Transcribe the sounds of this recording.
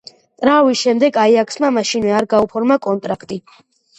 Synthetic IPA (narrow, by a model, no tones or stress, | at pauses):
t̪ʼɾavisʃɛmd̪ɛɡaiakʰsmamaʃinvɛaɾɡaupʰɔɾmakʼɔnt̪ʼɾakʰt̪ʼi